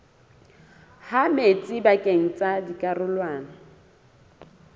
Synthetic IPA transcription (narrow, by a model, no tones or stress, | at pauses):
hamet͡sʼɪbakʼeŋ̩t͡sʼadikʼarʊlwaːna